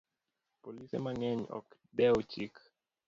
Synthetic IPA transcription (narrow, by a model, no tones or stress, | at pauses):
pɔlisɛ̰manɛɲɔ̰k | bɛltʰik